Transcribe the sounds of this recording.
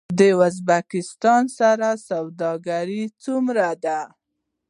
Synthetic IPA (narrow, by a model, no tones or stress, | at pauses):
d̪əʊzbakɪst̪ɑnsaɾasawd̪ɑɡaɾit͡sumɾad̪a